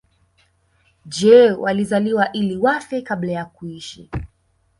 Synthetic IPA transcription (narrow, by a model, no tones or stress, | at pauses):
d͡ʒɛwa̰lizaliwaʔiliwafɛkaɓlajakuiʃi